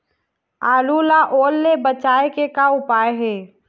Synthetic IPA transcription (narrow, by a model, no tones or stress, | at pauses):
aːlulaʔoːlːebət͡ʃaːekekaʊpaːeɦɛː